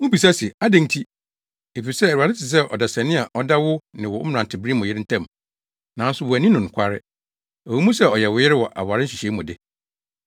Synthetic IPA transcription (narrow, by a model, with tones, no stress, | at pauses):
ʊ̃˦pi˨sa˦sɪ˨a˦dæ̃˦n˦tʰi˦ | e˨fi˨sɛ˦˨ɾu˨a˨dɪ˦tɪ˨s̬ɛ˦ʔɔ˨da˨sɛ̃˨nɪ̃˦a˨ʔɔ˦da˦wʊ˦nɪ̃˨wɔ˨˦m̩˨ɾã˨n˨tʰɪ˨bɪ˦ɾi˦mʊ̃˨jɪ˦ɾɪ˦n̩˦tʰã˦˨m˨ | nã˨˦n̩˦sʊ˦˨wʊ˨æ˨nĩ˦nʊ̃˨ŋ̩˨kʷʰa˦ɾɪ˦ | ɔ˨wi˦mũ˦sɛ˦ɔ˨jɛ˨wʊ˨jɪ˦ɾɪ˦wɔ˨ʔa̰˨ba˨ɾɪ˦n̩˦ɕi˨ɕɛ˨˦i˦mʊ̃˨dɪ˦